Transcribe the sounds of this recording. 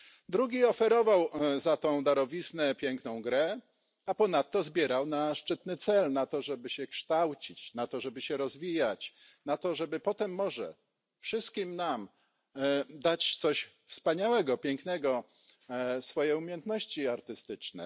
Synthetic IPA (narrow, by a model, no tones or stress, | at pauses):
d̪ɾuɡʲiɔfɛɾɔvawzat̪ɔ̃w̃d̪aɾɔvʲisnɛpʲjɛŋknɔ̃w̃ɡɾɛ | apɔn̪at̪ːɔzbʲjɛɾawnaʂt͡ʂɘt̪nɘt̪sɛlnat̪ɔʐɛbɘɕɛkʂt̪awt͡ɕit͡ɕnat̪ɔʐɛbɘɕɛɾɔzvʲijat͡ɕ | nat̪ɔʐɛbɘpɔt̪ɛmːɔʐɛ̰ | fʂɘst̪̚kʲimnam | d̪at͡ɕt̪sɔɕ | fspaɲawɛɡɔpʲjɛŋknɛɡɔ | sfɔjeumʲjɛnt̪nɔɕt͡ɕiaɾt̪ɘst̪ɘt͡ʂnɛ̰